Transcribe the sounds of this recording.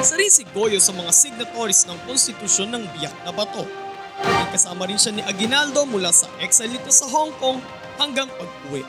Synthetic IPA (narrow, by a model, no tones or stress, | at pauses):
sɐɾisɪɡo̞josɐmɐŋasɪɡ̚nɐt̪oɾɪsnɐŋkonst̪ɪt̪ʊʃo̞nːɐŋbɪjak̚nɐbɐt̪o̞ | nɐɡ̚kɐsaːmɐɾɪnʃanɪʔɐɡɪnald̪o̞mʊlaːsɐ̰ʔɛksɐlɪt̪osɐɦoŋko̞ŋ | hɐŋɡɐŋpɐɡ̚uwɛ̰ʔ